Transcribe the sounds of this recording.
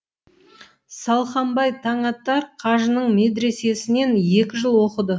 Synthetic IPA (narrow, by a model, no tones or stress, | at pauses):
sɑlˠχɑmbɑjt̪ʰɑɴɑt̪ːɑɾqʰɑʒənəɴme̞d̪ɾe̞se̞sɪne̞nje̞kʲɪʒəlˠwo̞qəd̪ə